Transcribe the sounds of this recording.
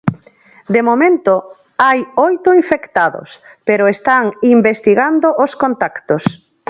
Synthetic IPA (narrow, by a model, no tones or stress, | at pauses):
d̪emomẽnt̪o | ajojt̪ʊiɱfekt̪aðʊ̰speɾʊest̪aŋimbest̪iɣand̪oʔoskont̪akt̪os